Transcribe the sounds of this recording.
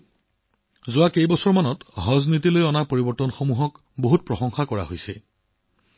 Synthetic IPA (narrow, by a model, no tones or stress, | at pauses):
zʊakejbɔsɔɹmanɔtɹɔznit̬ilojɔnapoɹibɔɹtɔnxomuɦɔk | boɦut̚pɹɔxɔŋxakɔɹa̰ɦojsɛ